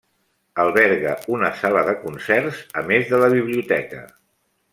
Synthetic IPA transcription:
əlˠβɛɾɣə̰unəsaləðəkunsɛɾzəmezðələβiβ̞liut̪ɛkə̰

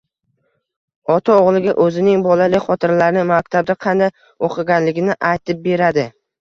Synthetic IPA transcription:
ɒt̪ʰaoʁlˠɪɡʲaʔɵzɪnɪŋbɒlalɪkʲχɒt̪ʰɪɾlaɾnɪmakʲt̪ʰab̚d̪aqʰɑnd̪aj | oqʰɨɡʲanlɪɡʲɪnɪʔajt̪ʰɪp̚be̞ɾad̪ɪ

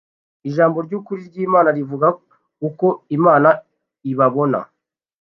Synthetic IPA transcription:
iʒaːmbo̞ɾɟuːkuɾiɾɟiːmaːnaɾivuɡa | kuko̞imaːna | iβaβo̞na̰

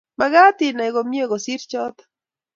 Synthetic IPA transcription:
maɣat̪inajɣomjeɣosiɾt͡ʃɔt̪

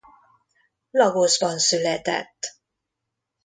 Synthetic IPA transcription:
lɒɡoʒbɒnsylɛt̪ɛ̰t̪ː

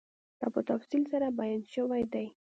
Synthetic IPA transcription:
d̪̥ɑ̰pət̪afsilsaɾabajanʃəwajd̪aj

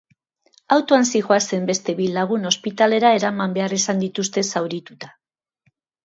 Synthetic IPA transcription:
awt̪oansiʝoase̞mbe̞st̪e̞βilaɣ̞uno̞spit̪ale̞ɾae̞ɾamambe̞arisand̪it̪ust̪e̞sawɾit̪ut̪ḁ

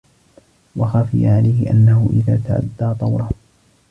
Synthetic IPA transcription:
wɑxaːfɪ̰jaʕalajhɪʔanːahʊʔɪða̰ːt̪aʕa̰d̪ːaːt̪ˤɑwɾˤɑ

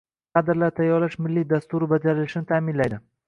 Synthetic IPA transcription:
qɑd̪ɪɾlaɾt̪ʰajɒɾlɪʃmɪlːid̪ast̪ʊɾɪbad͡ʒaɾɪlɪʃɪnɪt̪ʰaːmɪnlajd̪ɪ

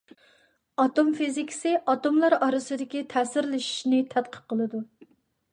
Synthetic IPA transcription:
ɑt̪omfizikʲi̥sɪʔɑt̪omlˠɑɾɑɾɨsɨd̪ɪkʲit̪ʰɛːsɪɾlɪʃi̥ʃnɪt̪ʰɛt̪̚qʰə̥q̚qʰːəlˠɨd̪u

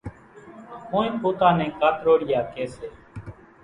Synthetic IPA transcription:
kõːĩːpoːt̪ãːnɛ̃ːkaːt̪ɾoːɽɪjaːkeːseː

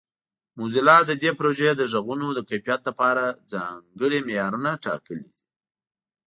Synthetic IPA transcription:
muzɪlɑd̪əd̪epɾoʒed̪əʒəɣunod̪əkapijɑt̪̚lapɑɾad͡zɑ̰ŋɡəɽimejɑɾunaʈɑ̰kəlḭ

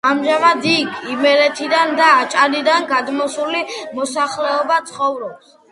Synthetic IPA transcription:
amʒamad̪ikʰimɛɾɛt̪ʰid̪and̪aːt͡ʃʼanid̪anɡad̪mɔsulimɔsaχlɛɔbat̪sʰχɔvɾɔps

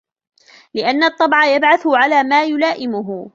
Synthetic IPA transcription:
lɪʔanːat̪ˤːɑbʕɑjabʕaθʊʕalaːmaːjʊlaːʔɪmʊɦʊ

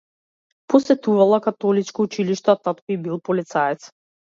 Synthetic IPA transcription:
pɔsɛt̪uvalˠakat̪ɔlit͡ʃkɔut͡ʃiliʃt̪ɔat̪at̪kɔibilˠpɔlit̪saɛt̪s

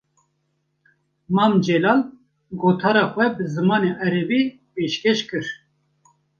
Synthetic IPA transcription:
mɑːmd͡ʒɛlɑːl | ɡoːt̪ʰɑːɾɑːxʷɛbɨzɨmɑːneʔɛɾɛbiː | peːʃkɛʃkɨɾ

